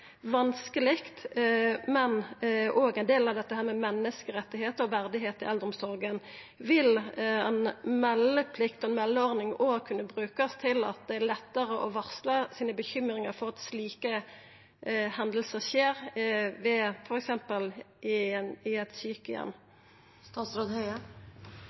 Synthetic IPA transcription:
ʋɑnskəlɪkt̪mɛnʔoːɡæɪnd̪eːlɑʋd̪ɛt̪ːəhæːʁmɛmɛnːəskəɾɛt̪ːɪheːt̪əɔʋæʁd̪ɪɦeːt̪ɪ̰ʔɛld̪ʁɔmsɔɾɡən | ʋɪlɛnmɛlːəpʰlɪkt̪ɔɛnmɛlːəɔʁnɪŋoːɡkʰʉnːəbɾʉːkɑst̪ʰɪlɑ̰t̪̚d̪ɛælɛt̪ːəɾəʔɔʋɑʁsləsiːnəbəçʏmɾɪŋɑɾfɔʁɑt̪sliːkə | hɛnd̪əlsəʁʃeːɾʋɛfɔɾɛksɛmpəl | ɪɪɛt̪syːkəjɛ̰nː | st̪ɑːt̪sɾoːd̪hœʏə

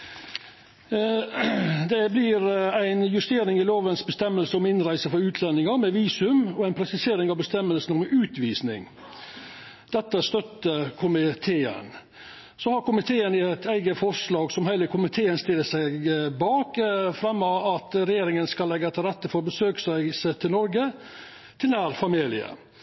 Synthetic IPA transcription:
d̪ɛblɪɾæɪnjʉst̪eːɾɪŋɪloːʋənsbəst̪ɛmːəlsəʊmɪnɾæɪsəfɔɾʉːt̪ʰlɛnɪŋɑmɛʋiːsʉmɔæɪnpʰɾɛsɪseːɾɪŋɑʋbəst̪ɛmːəlsn̩ɔmʉːt̪ʋiːsnɪ̰ŋ | d̪̥ɛt̪ːəst̪œt̪ːəkʰʊmɪt̪ʰeːə̰n | sɔhɑɾkʊmɪt̪ʰeːənɪæt̪ʰæɪɡəfɔʂlɑːɡsɔmhæɪləkʰʊmɪt̪ʰeːənst̪ɪlːəsæɪɡbɑːkfɾɑmːɑɑt̪ɾɛjeːɾɪŋənskɑlːɛɡːəɛt̪ʰːəɾɛt̪ːəfɔɾɔbəsøːksæɪsət̪ʰɪlnɔɾɡə | t̪ʰɪlnæːɾfɑmiːlɪ̰ə̰

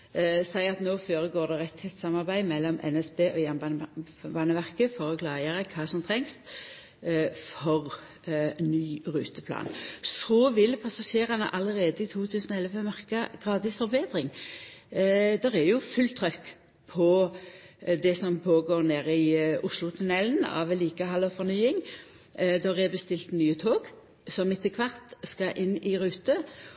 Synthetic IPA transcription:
sæɪɑt̪noːføːɾəɡoːɾd̪ɛʁɛt̪hɛt̪sɑmɑɾbæɪmɛlːɔmʔɛ̰nɛsbeːʔɔjɛnbɑ | bɑːnəʋæʁkəfɔʁɔkʰlɑːjəʁəkʰɑːsɔmt̪ʰʁɛŋst̪ | fɔʁ | nyːʁʉːt̪əpʰlɑ̰ːnsɔːʋɪlpʰɑsɑʃeːʁɑnə̰ʔɑləʁeːd̪əɪt̪ʰuːt̪ʰʉːsənɔɛlʋəmɑʁkɑɡ̥ʁɑːd̪ɪsfɔɾbeːd̪ʁɪŋ | d̪ɛʁɛjʊfʉlt̪ʰʁœkː | pʰɔ | d̪ɛsɔmpʰoːɡoːʁneːɾɪʊslʊt̪ʰʊnɛlnɑ̰ʋɛliːkəɦɑlɔfɔʁnyːɪŋ | d̪ɛʁɛbəst̪ɪlt̪nyːət̪ʰoːɡ | sɔmɪt̪ːəkʰʋɑʁt̪skɑʔɪnːɪʁʉːt̪ə

